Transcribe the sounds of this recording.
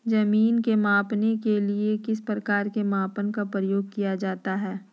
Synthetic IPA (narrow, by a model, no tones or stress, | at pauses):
zɐmiːnkemaːpnekeliekɪspɾɐkaːɾkemãːpənkapɾəjoːɡ̚kijad͡ʒaːt̪aɦɛː